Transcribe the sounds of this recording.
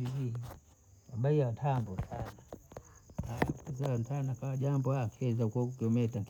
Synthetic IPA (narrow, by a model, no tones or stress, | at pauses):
iii | aɓaiantʰambɔntʰana | akɛzaantʰanakawaʄambɔakʰɛzaukɔkiɔmɛtaŋk